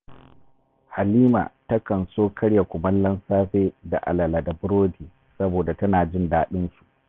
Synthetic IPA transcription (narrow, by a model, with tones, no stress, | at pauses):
ha˨liː˦ma̰ː˨tɐ˦kɐ˨nsoː˦kʰɐ˦ɽja˨kʷʊ˨mɐ˦nlɐ˦nsaː˦ɸeː˦da̰˨ʔa̰˨lɐ˨la˨da˨bɾoː˦diː˨ | sɐ˦boː˨da˨tɐ˦naː˨d͡ʒɪ˦ndaː˦ɗɪ˦nsu̥˨ʔ